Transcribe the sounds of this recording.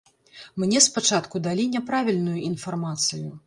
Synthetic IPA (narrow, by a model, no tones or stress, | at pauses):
mnʲɛspat͡ʂat̪kud̪alʲinʲɛpɾavʲilʲnujuin̪farmat̪sɨju